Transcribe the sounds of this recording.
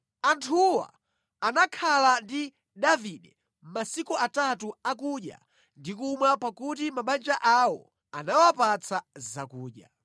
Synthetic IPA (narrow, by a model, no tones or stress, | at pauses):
antʰuwa̰ː | nakʰalandi | ɗaviɗɛ | m̩masikuatatuakuɗja̰ | ndikumwapakut̬imaɓand͡ʒaʔawɔ̰ | anawapat͡sʰazakuːɗja̰